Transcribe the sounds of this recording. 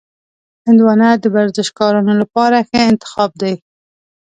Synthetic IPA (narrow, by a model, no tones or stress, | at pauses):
hɪnd̪wɑnad̪əbaɾzɪʃkɑɾunolapɑɾaxeɪnt̪ɪ̥xɑb̚d̪aj